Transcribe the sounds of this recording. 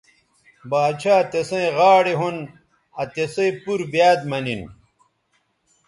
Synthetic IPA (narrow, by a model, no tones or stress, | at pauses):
baːd̪t͡ɕʰaːt̪esẽeʁaːɽeɦon | ɐt̪esẽipuɾbjaːd̪mɐnin